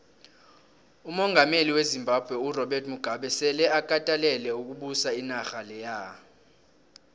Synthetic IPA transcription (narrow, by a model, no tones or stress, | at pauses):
umɔŋɡʱameliwezimbʱab̥ʱwɛurɔɓɛrtʰʼmuɡ̥ʱaɓɛsɛlɛakʼatʼalɛlɛuk̬ʼuɓusainaxalɛja